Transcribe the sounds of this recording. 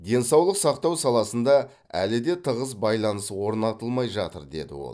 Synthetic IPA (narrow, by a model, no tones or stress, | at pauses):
d̪e̞nsɑwlˠəqsɑqt̪ɑwsɑlˠɑsənd̪ɑ | æ̰lɪd̪e̞t̪ʰəʁəs̬bɑjlˠɑnəswo̞ɾnɑt̪əlˠmɑjʒɑt̪əɾd̪e̞̰d̪ɪ̰wo̰lˠ